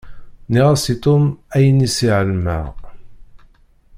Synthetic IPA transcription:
niʁæsit̪ˤʊmæjənisiʕəlmæ̰ʁ

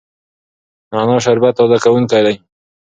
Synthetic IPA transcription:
nanɑʃ̬aɾbat̪ːod̪akawuŋkajlaj

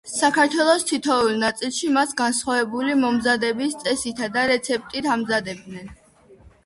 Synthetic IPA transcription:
sakʰaɾt̪ʰwɛlˠɔst̪ʰit̪ʰɔulˠnat̪sʼilˠʃimasɡansχwavɛbulimɔmzad̪ɛbist̪sʼɛsit̪ʰad̪aɾɛt̪sʰɛp̚t̪ʼit̪ʰamzad̪ɛb̚d̪nɛn

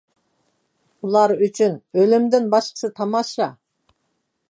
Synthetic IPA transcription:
ulˠɑɾyt͡ʃʰynølɪmd̪ɪnbɑʃqə̥sɨt̪ʰɑmɑʃɑ

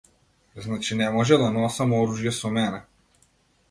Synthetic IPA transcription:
znat͡ʃinɛmɔʒɛd̪anɔsamɔɾuʒjɛsɔmɛnɛ

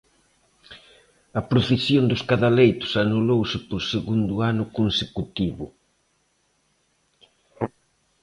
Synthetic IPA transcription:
ɐpɾofisjond̪ʊskaðalejt̪ʊ̥sanulowsɪpoɾseɣund̪ʊanʊkonsekut̪iβʊ̰

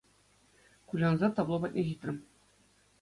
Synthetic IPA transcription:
kulʲɑnzɑt̪ɑblˠobɑt̪̚ʲnʲeʑit̪rʲɘm

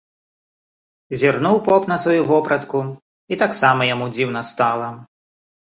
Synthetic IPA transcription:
zʲirnuwpɔpnɐsvajuvɔpɾɐt̪ku | it̪aksamɐjamud͡zʲiwnɐst̪alˠɐ

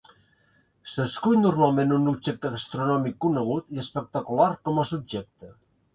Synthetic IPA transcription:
səskuʎnurmalˠmenunubʒɛk̚t̪əɣast̪ɾunɔmikːunəɣ̞ut̪iəspək̚t̪akulaɾkɔməsub̚ʒɛk̚t̪ə

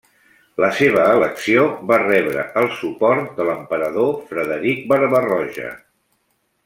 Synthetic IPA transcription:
ləseβ̞əːləksioβarɛβɾə̰əlˠsupɔɾt̪̚d̪ələmpəɾəðofɾəðəɾik̚bəɾβərɔʒə̰

